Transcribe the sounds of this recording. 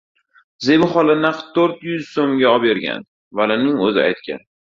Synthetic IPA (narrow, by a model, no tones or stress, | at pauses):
zebʊχɒlˠɪnaqtt̪ʰːɵɾt̪jʊzsomɡʲaɒpeɾɡʲa̰n | valɪnɪŋɵzɪa̰jt̪kʲʰa̰n